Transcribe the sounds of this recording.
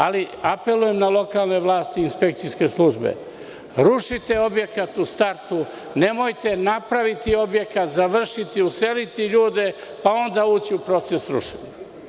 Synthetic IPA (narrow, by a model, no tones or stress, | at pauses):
aliape̞luje̞mnalo̞kaːlˠne̞ʋlˠaːst̪iːnspe̞k̚t̪sijske̞slˠuʒbḛ | ɾuʃit̪eo̞bje̞kat̪ust̪aɾt̪u | ne̞mo̞jt̪e̞napɾaʋit̪io̞bje̞kat̪zaʋr̩ʃit̪iuse̞lit̪iʎuːd̪e̞ | pao̞nd̪auːt͡ɕiupɾo̞t̪sesɾṵʃeɲa